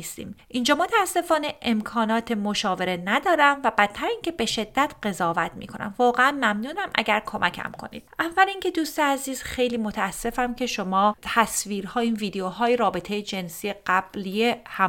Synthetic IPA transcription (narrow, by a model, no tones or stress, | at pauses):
ist̪ḭːmʔind͡ʒɒːmot̪ʰæːsːe̞fɒːne̞ʔemkʰɒːnɒːt̪ʰemoʃɒːve̞ɾe̞næd̪ɒːɾæmvæbæt̪ʰːæɾiːncʰe̞be̞ʃed̪ːæt̪ʰɢe̞zɒːvæt̪mḭːkʰo̞næ̰mvɒːɣeænmæmnuːnæmʔæ̰ɟæɾkʰo̞mʔæcʰæ̰mkʰo̞̰nḭːd̪̥̚ʔævːælincʰe̞d̪uːst̪eæziːz̥xe̞jliːmot̪ʰææsːe̞fæmcʰe̞ʃo̞mɒːt̪ʰæsviːɾhɒːiːnviːd̪eoɦɒːjeɾɒːbet̪ʰe̞jed͡ʒe̞nsijeɢæb̥liehæ